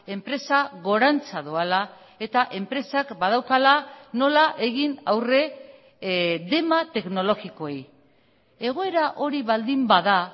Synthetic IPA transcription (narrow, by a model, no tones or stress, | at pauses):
e̞mpɾe̞saɣo̞ɾant͡saðoala | e̞t̪aʔe̞mpɾe̞sakbað̞awkalano̞laʔe̞ɣinawre̞ | ðe̞mat̪e̞kno̞lo̞ɣiko̞ej | e̞ɣ̞o̞e̞ɾaʔo̞ɾiβald̪imbaða